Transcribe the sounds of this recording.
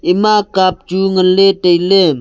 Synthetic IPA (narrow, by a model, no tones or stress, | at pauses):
ɪmakap̚t͡ʃuŋəleʈejle